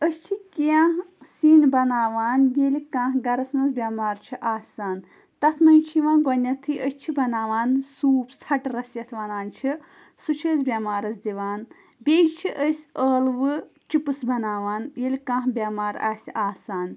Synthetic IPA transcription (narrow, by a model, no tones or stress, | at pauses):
əst͡ʃʰikiãːɦsiːnbɐnaːʋaːnjelikãːɦɡɐɾɐsmɐzbʲamaːɾt͡ʃʰiʔaːsaːn | t̪ɐt̪ʰmɐnʲt͡ʃʰiʋãːnɡɐnːɐt̪ʰːɨʔəsʲt͡ʃʰibɐnaːʋaːnsuːpsʰɐʈɾɐsjɐt̪ʰʋɐnaːnt͡ʃʰi | sut͡ʃʰəːzbʲɐmaːɾɐsd̪iʋaːn | bʲet͡ʃʰiʔəsʲəːlʋɨ | t͡ʃipɨsbɐnaːʋaːnjelʲikãːɦbʲamaːɾa̰ːsiʔaːsaːn